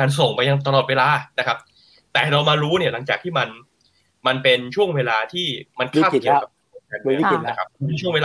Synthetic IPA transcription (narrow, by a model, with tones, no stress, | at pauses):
aː˧ns̬o˨˩ŋpa˧ja˧ŋt̪a˧lɔː˨˩t̪̚weː˧laː˧na˦˥kʰa˦˥p̚ | t̪ɛː˨˩ɾa˧wmaː˧ɾuː˦˥ni˥˩ɐla˩˦ŋt͡ɕaː˨˩k̚t̪ʰiː˥˩ma˧n | ma˧npe˧nt͡ɕʰu˥˩əŋweː˧laː˧t̪ʰiː˥˩ma˧nkʰaː˥˩ki˨˧əwka˨˩kːo˧˥˩a˨˧˩n˧˨˩na˦˧˥kʰa˦˥˧e˧nt͡ɕʰu˥˩əŋweː˧lː